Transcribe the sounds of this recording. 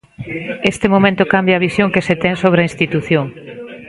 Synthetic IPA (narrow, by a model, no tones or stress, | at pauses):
est̪ɪmomẽnt̪ʊkambjɐːβisjoŋkeset̪ɛŋsoβ̞ɾɐĩnst̪it̪uθjoŋ